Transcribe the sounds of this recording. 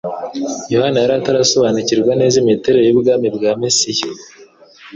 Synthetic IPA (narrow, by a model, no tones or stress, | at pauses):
jo̞hanajaɾataɾaso̞βaːniciɾɡwane̞ːzimite̞ɾeɾojubɡaːmibɡaːmesiji